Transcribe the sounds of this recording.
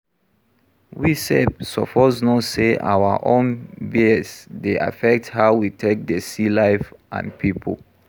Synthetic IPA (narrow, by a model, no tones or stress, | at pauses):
wisɛdsɔpɔznɔtseʔa̰wa̰ʔõnbiɛsdeʔa̰fɛk̚thaʊwitʰek̚dəsilaɪfʔã̰npʰipʰo̰